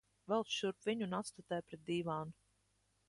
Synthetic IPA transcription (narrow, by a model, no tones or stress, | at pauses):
vɛlˠsʃuɾpvʲiɲunat̪st̪at̪ɛːjpɾɛt̪̚d̪iːvaːnu